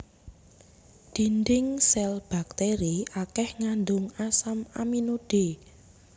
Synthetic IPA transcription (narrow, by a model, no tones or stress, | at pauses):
d̪̥i̤nd̪ɪŋsɛlb̥a̤k̚t̪eɾiʔakɛhŋand̪ʊŋasamaminoɖ̥e